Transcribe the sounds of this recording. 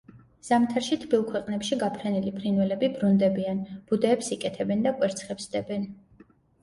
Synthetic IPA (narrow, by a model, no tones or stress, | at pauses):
z̥amt̪ʰaɾʃit̪ʰbilˠkʰwɛqʼnɛpʃiɡapʰɾɛnilipʰɾinwɛlɛbibɾund̪ɛbianb̥ud̪ɛːpsikʼɛt̪ʰɛbɛnd̪akʼwɛɾt̪sʰχɛpsd̪ɛbɛn